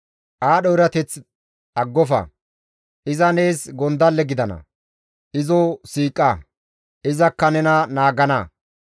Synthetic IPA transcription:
ʔaːɗɔɪɾɐt̪ɛt͡s | ɐɡːɔfɐ̰ | ʔɪzɐne̞ːsɡɔnd̪ɐlːɛɡɪd̪ɐnɐ̰ | ʔɪzɔsiːkʼːɐ | ɪzɐkːɐnɛnɐnaːɡɐnɐ

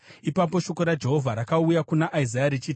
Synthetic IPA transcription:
ipapo̞ʃo̞ko̞ɾad͡ʒe̞ɦo̞vʱaɾakaujakunaʔaizajaɾit͡ʃit

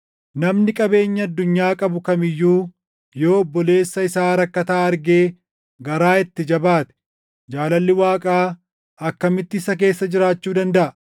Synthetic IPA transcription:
nɐmnɪkʼɐbe̞ːɲːɐɐd̪ːʊɲːaːkʼɐbʊkɐmɪjːuː | joːɔbːɔle̞ːsːɐɪsaːɾɐkːɐt̪aːɐɾɡe̞ː | ɡɐɾaːɪt̪ːɪd͡ʒɐbaːt̪ɛ̥ | d͡ʒaːlɐlːɪwaːkʼaː | ɐkːɐmɪt̪ːɪsɐk̬e̞ːsːɐd͡ʒɪɾaːt͡ʃːuːd̪ɐnd̪ɐʔɐ

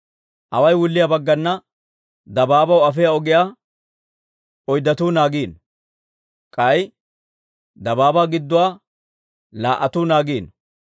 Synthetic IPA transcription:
ʔɐwɐjwʊlːɪjabɐɡːɐnːɐ | d̪ɐbaːbɐwɐfɛjaɔɡɪjaː | ɔjd̪ɐt̪uːnaːɡiːn | kʼɐj | d̪ɐbaːbaɡɪd̪ːʊwaː | laːʔɐt̪uːnaːɡiːn

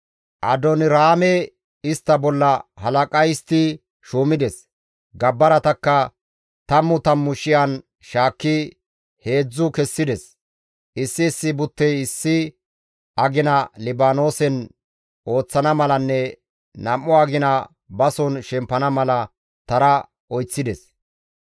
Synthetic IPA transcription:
ʔɐ̰d̪ɔnɪɾaːmɛ | ɪst̪ːɐbɔlːɐhɐlɐkʼɐjɪst̪ɪ | ʃuːmɪd̪ɛs | ɡɐbːɐɾɐt̪ɐkːɐ | t̪ɐmːʊt̪ɐmːʊʃɪjɐn | ʃaːkːɪ | he̞ːd͡zːʊkɛsːɪd̪ɛs | ʔɪsːɪːsːɪbʊt̪ːɛjɪsːɪ | ɐɡɪnɐlɪbaːno̞ːsɛn | o̞ːt͡sːɐnɐmɐlɐnːɛ | nɐmːʊɐɡɪnɐ | bɐsɔnʃɛmpːɐnɐmɐlɐ | t̪ɐɾɐ | ɔjt͡sːɪd̪ɛs

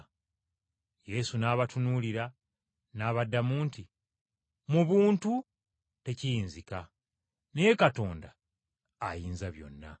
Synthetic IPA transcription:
je̞sunaːβatunuliɾa | naːβadːamuːnti | muβuːntu | te̞cijiːnzika | ne̞je̞kato̞ːnda̰ː | jiːnzaβjo̞̰nːa̰

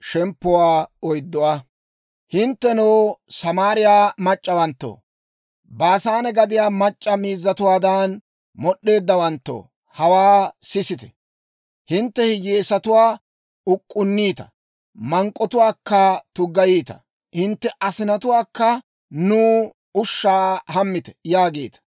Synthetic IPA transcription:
ʃɛmpːʊwaːɔjd̪ːɔwa | hɪnt̪ːɛnoːsɐmaːɾɪjaːmɐt͡ʃʼːɐwɐnt̪ːo̰ː | baːsaːnɛɡɐd̪ɪjaːmɐt͡ʃʼːɐmiːzːɐt̪ʊwaːd̪an | mɔɗːe̞ːd̪ːɐwɐnt̪ːo̰ | hɐwaːsɪsɪt̪ɛ̥ | hɪnt̪ːɛhɪɡeːsɐt̪ʊwaː | ʊkʼːʊnːiːt̪ɐ̥ | mɐŋkʼːɔt̪ʊwaːkːɐt̪ʊɡɐjiːt̪ɐ̥̰ | hɪnt̪ːɛʔɐsɪnɐt̪ʊwaːkːɐ | nuː | ʊʃːaːhɐmːɪt̪ɛ̥jaːɡeːt̪ɐ̥

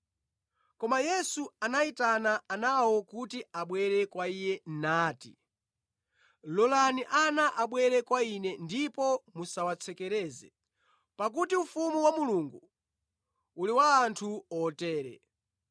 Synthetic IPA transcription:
kɔmajɛsuanaitanaanawɔkutiaɓwɛɾɛkwaijɛn̩naːti | lɔlaniʔanaʔaɓwɛɾɛkwainɛndipɔmusawat͡sʰɛkɛɾɛːzɛ | pak̬utiufumuwamuluŋɡu | uliwaːntʰuɔtɛːɾɛ̰

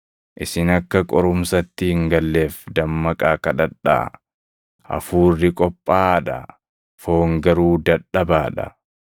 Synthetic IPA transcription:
ʔɪsɪnɐkːɐkʼɔɾʊmsɐt̪ːɪhɪŋɡɐlːe̞ːfd̪ɐmːɐkʼaːkɐᶑɐᶑa̰ː | ʔɐ̰fuːrːɪkʼɔpʼːaːᶑɐ̰ | fo̞ːŋɡɐɾuːd̪ɐᶑːɐbaːᶑɐ̰

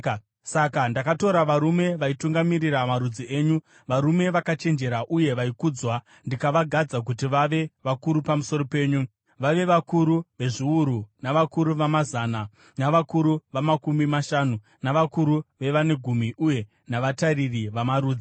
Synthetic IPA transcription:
sakandakato̞ɾaʋaɾume̞ʋaituŋɡamiriramaɾud͡zieːɲu | ʋaɾume̞ʋakat͡ʃe̞nd͡ʒe̞ɾaʔuje̞ʋaikuːd͡zwa | ndikaʋaɡʱad͡zak̬ut̬iʋaʋe̞ʋakuɾupamuso̞ɾo̞pe̞ːɲu | ʋaʋe̞ʋakuɾuʋe̞ʐiuɾunaʋakuɾuʋamazaːna | naʋakuɾuʋamakumimaʃaːnu | naʋakuɾuʋe̞ʋane̞ɡʱumiʔuje̞ | naʋataririʋamaɾuːd͡zi

